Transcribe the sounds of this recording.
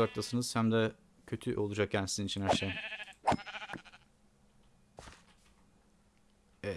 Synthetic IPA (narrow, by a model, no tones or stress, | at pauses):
ak̚t̪ˠasɯnɯz̥hæmd̪ɛ | cʰø̞t̪ʰyʔo̞lˠud͡ʒak̚cʰænsizinit͡ʃʰinhæɾʃej